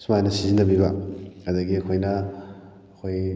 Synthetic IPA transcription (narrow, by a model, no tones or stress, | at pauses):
sumajnɐsizindɐbiβɐhɐd̪ɐɡiɐkʰojnɐː | kʰoj